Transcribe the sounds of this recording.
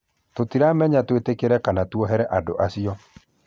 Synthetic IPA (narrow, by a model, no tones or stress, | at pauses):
totiɾamɛɲatwetekeɾɛkanatwɔɦɛɾɛʔado̰ʔasijɔ